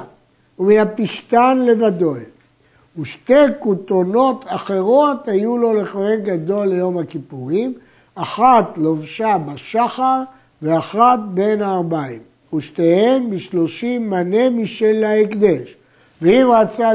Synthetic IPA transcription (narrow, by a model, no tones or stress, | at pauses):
uminapiʃt̪anle̞vad̪oj | uʃte̞jkut̪ono̞t̪aχe̞ʁo̞thajulo̞leχohemɡad̪o̞lːejo̞mhakipuʁim | aχat̪lo̞vʃabaʃaχaʁ | ve̞aχat̪̚be̞naːʁbaim | uʃtehembiʃlo̞ʃimːane̞miʃelːaikd̪eʃ | veimʁat͡sa